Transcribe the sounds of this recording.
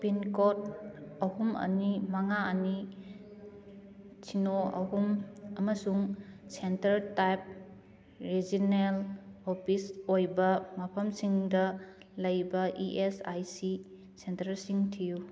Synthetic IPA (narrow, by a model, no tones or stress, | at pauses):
pinkot̚ɐhumɐ̰nimaŋaɐni | t͡ʃʰinoɐ̰ɦumɐmɐsuŋsentɐɾtajp̚ | ɾizinelopʰisojbɐmɐpʰɐmsiŋdɐ | lɐjbɐʔiʔesajsi | sentɐɾsiŋtʰiju